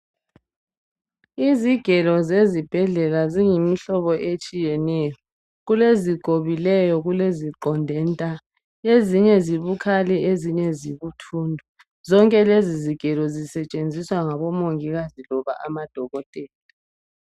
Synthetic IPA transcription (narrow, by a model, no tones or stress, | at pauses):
iziɡ̥ʱɛlɔzezib̥ʱɛɮɛlaziŋimiɬɔβɔʔet͡ʃʼijɛnɛjɔ | ɣuleziɡ̥ʱoβilɛjɔɣuleziǃɔndʱɛntʼa | eziɲɛziβukʰalɛeziɲɛziβutʰuːndʱɔ | zɔŋkʼɛleziziɡ̥ʱɛlɔzisɛt͡ʃʼend͡zʱiswaŋaβɔmoŋiɣazilɔβa̰ʔamad̥ʱɔɣɔtʼɛːla